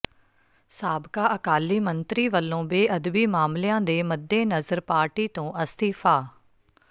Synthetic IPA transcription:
saːbkaːʔəkaːlːiːmənt̪ɾiːʋəlːõːbeːʔəd̪biːmaːmlejãːd̪eːməd̪ːeːnəzəɾpaːɾʈiːt̪õːʔəst̪iːfʰaː

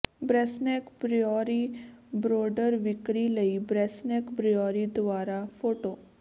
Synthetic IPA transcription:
bɾɛsnekbɾiɔɾibɾoɖəɾʋɪkɾiləibɾɛsnɛkbɾijɔɾid̪ʋaɾafoʈo

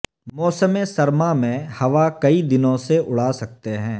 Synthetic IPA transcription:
mɔːsəmesɐɾmamẽhɐʋakɐid̪ɪnõseʔʊɽ̤aːsɐk̚t̪eɦɛ̃ː

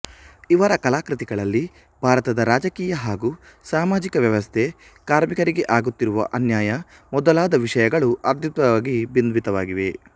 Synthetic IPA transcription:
iʋɐɾɐkɐlaːkɾit̪iɡɐɭɐlːi | bʱaːɾɐt̪ɐd̪ɐɾaːd͡ʒɐkiːjɐɦaːɡusaːmaːd͡ʒikɐʋjɐʋɐst̪ʰe̞ | kaːɾmikɐɾiɡe̞ʔaːɡut̪ːiɾuʋɐ̰ʔɐnjaːjɐ | mɔd̪ɐlaːd̪ɐʋiʂɐjɐɡɐɭuʔɐɾt̪jut̪ʋɐʋaːɡibind̪ʋit̪ɐʋaːɡiʋe̞

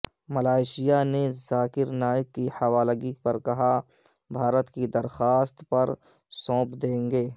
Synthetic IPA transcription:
mɐlaːɪʃɪjanezaːkɪɾnaːɪb̚kihɐʋaːləɡik̚pɐɾkɐɦa | bʱaːɾət̪kid̪ɐɾxaːst̪pɐɾ | sɔ̃ːpd̪ẽːŋɡeː

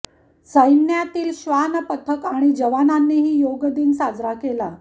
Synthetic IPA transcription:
səjnjat̪iːlɕʋanəpət̪ʰəkaɽ̃id͡ʑəʋananːiːɦiːjoɡəd̪iːnsad͡zɾakela

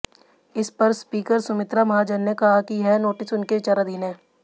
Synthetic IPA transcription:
ɪspɐɾspiːkəɾsʊmɪt̪ɾamɐɦad͡ʒɐnːekɐɦakiɦɛnoːʈɪsʊnket͡ʃaːɾad̪iːnɛː

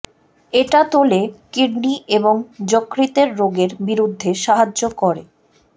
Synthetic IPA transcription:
eʈat̪olekiɾniʔeboŋd͡ʑokːɾit̪eɾːoɡeɾbiɾud̪ʱːeʃaɦaːokoɾe

